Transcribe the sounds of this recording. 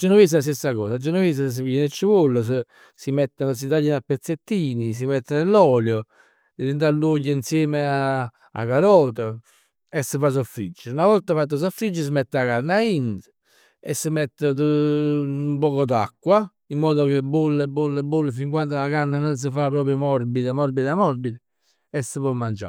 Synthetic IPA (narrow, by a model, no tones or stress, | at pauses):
d͡ʒənovis̬əlas̬t̪esːakɔːsad͡ʒənəvis̬əs̬əɛnet͡ʃːəvolːəs̬ə | simɛt̪ːanos̬it̪aʎːinapːet̪sːet̪ːiːnis̬imɛt̪ːənelɔːljɔ | d̪eðint̪alːoʎːəinsjɛːmea | a̰kaɾɔːt̪ə | ɛsːəfas̬ɔfɾid͡ʒːəunavɔlt̪afat̪̬ːəs̬ɔfːɾid͡ʒːəs̬əmɛt̪ːakanːaint̪ə̥ | ɛ̰sːəmɛt̪ːət̪ə | umpɔːkɔd̪akːwa | imːɔːðokebːulːɛbːulːɛbːulːəfiŋkwand̪oakanːanɔns̬əfapɾɔːpɾjɔmɔɾbid̪amɔɾbid̪amɔɾbid̪ɛ | ɛsːəpɔmːand͡ʒa̰